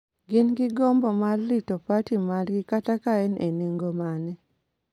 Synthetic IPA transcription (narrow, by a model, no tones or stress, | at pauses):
ɡɪnɡɪɡɔmbɔmarːitopatimarɡɪkatakaɛneneŋɡomanɛ